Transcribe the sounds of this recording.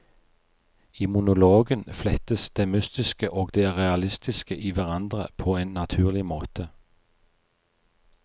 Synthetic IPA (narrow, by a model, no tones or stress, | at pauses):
ɪmʊnʊloːɡənflɛt̪əsd̪̥eːmʏst̪ɪskəʔoːɡd̪eːʁɛɑlɪst̪ɪskəʔiːʋæʁɑnd̪ʁə̰pʰoːeːnːɑt̪ʰʉːʁlɪmoːt̪ʰə